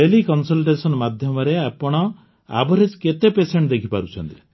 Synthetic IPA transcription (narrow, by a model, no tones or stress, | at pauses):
elikɔnsɔlʈesɔnmad̪ʱjɔmɔɾeapɔɽ̃ɔ | a̰bʱɔɾed͡ʒket̪epeseɳʈd̪ekʰipaɾut͡ʃʰɔnt̪i